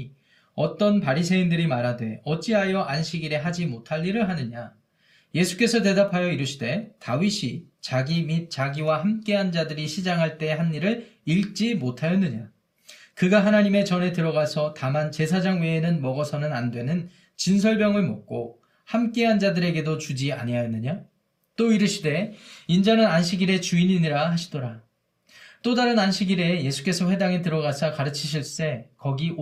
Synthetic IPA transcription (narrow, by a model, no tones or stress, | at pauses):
ʌt͈ʌnpaɾisʰe̞indɯɾimaɾadwe̞ʌt͡ɕ͈iɦajʌʔanɕʰiɡiɾe̞ɦad͡ʑimotʰaʎːiɾɯɭɦanɯɲa | je̞sʰu̥k͈e̞sʰʌte̞dapʰajʌiɾuɕʰide̞taɥiɕʰit͡ɕaɡimit̚t͡ɕ͈aɡiwahamk͈e̞ɦand͡ʑadɯɾiɕʰid͡ʑaŋɦaɭt͈e̞eɦanːiɾɯɭiɭt͡ɕ͈imotʰajʌnːɯɲa | kɯɡaɦanaɲime̞t͡ɕʌne̞tɯɾʌɡasʰʌtamant͡ɕe̞sʰad͡ʑaŋwe̞ːnɯnmʌɡʌsʰʌnɯnandwe̞nɯn | t͡ɕins̬ʰʌɭbjʌŋɯɭmok̚k͈o | hamk͈e̞ɦand͡ʑadɯɾe̞ɡe̞dot͡ɕud͡ʑia̰ɲiajʌnːɯɲa | t͈oiɾɯɕʰide̞ind͡ʑanɯnanɕʰiɡiɾe̞t͡ɕuiɲiɲiɾaɦaɕʰidoɾa | t͈odaɾɯnanɕʰiɡiɾe̞je̞sʰu̥k͈e̞sʰʌɸwe̞daŋet̬ɯɾʌɣasʰakaɾɯt͡ɕʰiɕʰiɭs͈e̞kʌɡi